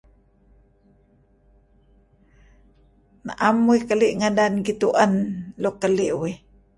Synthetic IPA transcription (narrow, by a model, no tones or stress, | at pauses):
na̰ʔamuikəliʔŋadanɡit̪uʔənlokəliʔwi